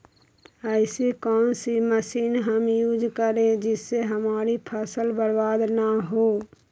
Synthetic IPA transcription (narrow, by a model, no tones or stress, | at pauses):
əɪsikɔːnsiməsiːnɦəmjuːd͡ʒkəɾẽd͡ʒɪsːeɦəmaːɾipʰəsəlbəɾbaːd̪naɦoː